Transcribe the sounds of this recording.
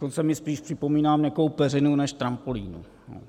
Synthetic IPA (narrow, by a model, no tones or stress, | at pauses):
ont͡sɛmɪspiːʃpr̥ɪpo̞miːnaːmɲɛko̞wpɛrɪnunɛʃt̪ɾampolḭːnṵ | no̰